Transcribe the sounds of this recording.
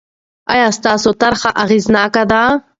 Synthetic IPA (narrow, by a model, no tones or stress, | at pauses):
a̰jaːst̪aːsot̪ɐɾχaʔɐɣiːznaːkad̪a